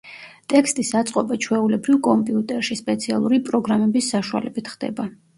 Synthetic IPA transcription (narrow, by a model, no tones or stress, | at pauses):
t̪ʼɛkʰst̪ʼisat̪sʼqʼɔbat͡ʃʰwɛulɛbɾivkʼɔmpʼiut̪ʼɛɾʃispʼɛt̪sʰialˠuɾipʼɾɔɡɾamɛbisːaʃua̰lɛbit̪ʰχd̪ɛ̰ba